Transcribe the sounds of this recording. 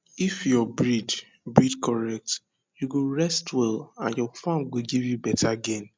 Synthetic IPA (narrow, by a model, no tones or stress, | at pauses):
ifjɔbɹid | bɹidkʰɔɹɛk̚t | juɡoɹɛstwɛlãnjɔfãmɡoɡivjubɛtʰaɡɛ̃n